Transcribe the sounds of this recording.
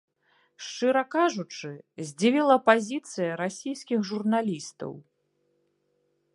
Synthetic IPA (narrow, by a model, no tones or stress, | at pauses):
ʂt͡ʂɨɾɐkaʐut͡ʂɨzʲd͡zʲivʲilˠɐpazʲit̪sɨjɐɾasʲijsʲkʲixʐurnalʲist̪ɐ̰w